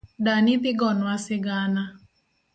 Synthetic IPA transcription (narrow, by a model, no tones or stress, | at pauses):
danɪt̪ɪɡɔnwasɪɡana